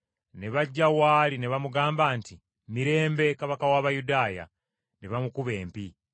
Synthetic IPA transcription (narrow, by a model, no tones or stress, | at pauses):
ne̞βaɟːawaːline̞βamuɡaːmbaːnti | miɾe̞ːmbe̞kaβakawaːβajudaːja̰ | neβamukuβe̞ːmpi